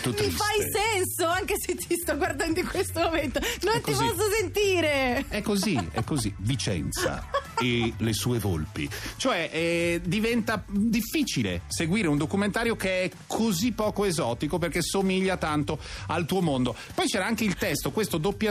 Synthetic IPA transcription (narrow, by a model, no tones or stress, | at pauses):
t̪ut̪ːifajsɛnsoaŋkeset̪ːʰist̪ɔɡward̪and̪oikwest̪omoment̪onont̪ipɔsːosent̪iːɾeɛkːoziɛ̰kːozivit͡ʃɛ̰nt̪sa̰elesuːevo̰lpḭt͡ʃoɛʔɛd̪ivɛnt̪ad̪ifːit͡ʃilḛseɡwiːɾeund̪okument̪aːɾjokeɛkʰozipːɔːkoezɔːt̪ikop̬erkesomiʎːat̪ant̪oalt̪uːomond̪opɔjt͡ʃɛːɾaaŋk̟eilt̪ɛst̪okwest̪od̪opːja